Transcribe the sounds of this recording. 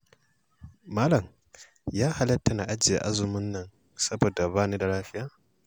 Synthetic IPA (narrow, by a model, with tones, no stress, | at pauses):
maː˦lɐ˨m | jaː˦ha˨lɐ˦tːa˨na̰˨ʔa˦d͡ʒɪ˨a̰˨ʔa˦zʊ˨mʊ˦nːɐ˦˨n | sɐ˦bo˨da˨βaː˦niː˦da˨laː˦ɸɪ˦jaː˦